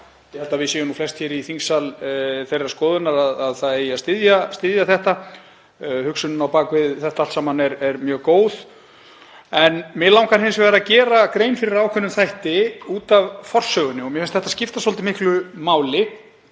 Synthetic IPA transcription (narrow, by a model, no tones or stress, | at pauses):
jɛhɛlt̪avɪsɛːjʏnuflɛst̪çɛɾiθiŋsalθejraɾskɔːðʏnaɾaðaðθaðeːjast̪ɪðjast̪ɪðjaθɛht̪a | hʏksʏnʏnawpaːkvɪðθɛht̪aalsamanɛɾɛɾmjœːɣkoːwð | ɛnmɪlawŋkanhɪnsvaɾacɛːɾakɾejnfɪɾɪɾaːwkʰœnːʏmθajht̪ɪuːt̪avfɔr̥sœːɣʏnːɪɔmjɛfɪnst̪θɛht̪ascɪft̪asɔlt̪ɪmɪhklʏmaːwlɪ